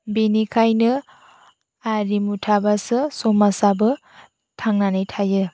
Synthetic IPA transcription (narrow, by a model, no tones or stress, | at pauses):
benikʰajnɯ | aɾimutʰabasɯsɔmasabɯ | tʰaŋnanɯjtʰajɯ